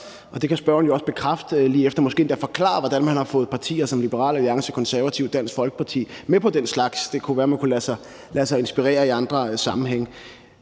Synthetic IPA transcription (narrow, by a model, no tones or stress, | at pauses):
ʔɒ̽d̥e̝kʰæsb̥ɶɐn̩jo̝ɒ̽sb̥e̝kʰʁɑfd̥liːefd̥ɐmɒ̽sɡ̥e̝̰ːnd̥æfɒ̽kʰlɑ̰̈ːɐʋɒd̥ænmænhɑ̈fɔ̽ːð̩ˠpʰɑ̈t͡sʰḭːɐsɒ̽mlib̥əʁɑ̰̈ːlæliɑ̈ŋsəkʰɒ̽nsæɐʋæt͡sʰiʊd̥æn̰sɡ̥fɒ̽lɡ̥əpʰɑ̈t͡sʰḭːmepʰɒ̽d̥en̰slɑ̈ɡ̥sd̥e̝kʰuʋæːɐmænkulæsɑɪ | læsɑ̈ɪe̝nsb̥iʁɛ̰ːɐiɑ̈nd̥ʁɐsɑ̈mm̩ɦeŋ̰